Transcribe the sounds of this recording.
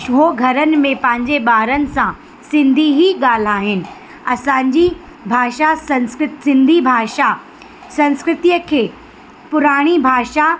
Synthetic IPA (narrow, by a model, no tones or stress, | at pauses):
ɦoɡʱɐɾənɪ̆mẽpɐ̃ɦɪ̃ɲ̆d͡ʑeɓaːɾənɪ̆sã | sɪ̃nd̪ʱiɦiɠaːl̤aːɦɪnɪ̆ | ɐsãːɲd͡ʑi | bʱaːʃasɐ̃nskɾɪt̪sɪ̃nd̪ʱibʱaːʃa | sɐ̃nskɾɪt̪ijəkʰeː | pʊɾaːɽ̃ibʱaːʃa